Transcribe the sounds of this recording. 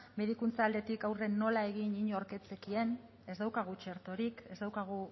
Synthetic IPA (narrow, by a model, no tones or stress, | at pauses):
me̞ðikunt͡saːld̪e̞t̪ikawre̞nːo̞lae̞ɣ̞iɲiɲoɾke̞t͡se̞kie̞n | e̞zd̪awkaɣ̞ut͡ʃe̞ɾt̪o̞ɾike̞zðawkaɣ̞u